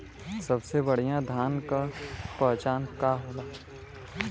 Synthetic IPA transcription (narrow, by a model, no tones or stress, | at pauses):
sɐbsebɐɽ̤ijãd̪ʱaːnkapɛɦt͡ʃaːnkaɦoaː